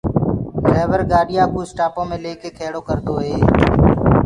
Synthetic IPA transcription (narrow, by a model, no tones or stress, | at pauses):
ɾeːʋəɾɡaːɗɪjaːkuːsʈaːpõːmẽːleːkeːkʰeːɽoːkəɾd̪oːɦeː